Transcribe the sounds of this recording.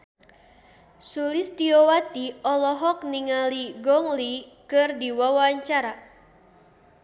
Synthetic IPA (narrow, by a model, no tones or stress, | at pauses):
sulist̪iowat̪iɔlɔɦɔk̚niŋaliɡɔŋlikɨrdiwawaɲt͡ʃaɾa